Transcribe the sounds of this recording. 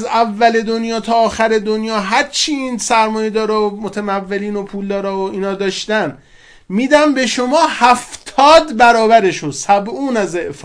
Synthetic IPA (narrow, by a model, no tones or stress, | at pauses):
zævːæle̞d̪onjɒːt̪ʰɒːxæɾe̞d̪onjɒːɦæɾt͡ʃʰiiːnsæɾmɒːjed̪ɒːɾɒːomot̪ʰæmævːe̞liːno̞pʰuːld̪ɒːɾɒːoiːnɒːd̪ɒːʃt̪æn | miːd̪æmbe̞ʃomɒːhæft̪ʰɒːd̪bæɾɒːbæɾeʃunsæbuːnæzeʔf